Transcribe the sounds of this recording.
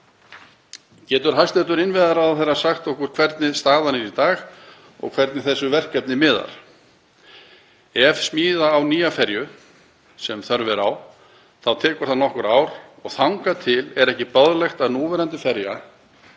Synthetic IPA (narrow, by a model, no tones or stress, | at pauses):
cɛːt̪ʏɾ̥ɦajst̪ɛt̪ʏɾɪnvɪðaɾawðθɛrːḁsaxt̪ɔhkʏɾ̥kʰvɛɾt̪nɪðst̪aːðanɛɾit̪aːɣ | ɔ̰ɣkʰvɛɾt̪nɪθɛsːʏvɛr̥kɛp̚nɪmɪːða̰ɾ̥ | ɛvsmiːðaːwniːjafɛɾjʏ | sɛmθœɾvɪɾaw | θawt̪ʰɛːkʏɾ̥θanɔhkʏɾaːwɾ̥ɔɣθawŋkat̪ʰɪlɛɾɛhcɪpœðlɛxt̪aðnuːvɛɾant̪ɪfɛɾja